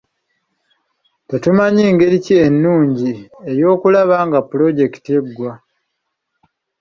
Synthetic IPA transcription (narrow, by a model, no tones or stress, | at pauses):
tetumaɲiːŋɡe̞ɾicienːuːɲɟie̞jo̞ːkulaβaːŋɡapːulo̞ɟe̞ki̥tie̞ɡːwa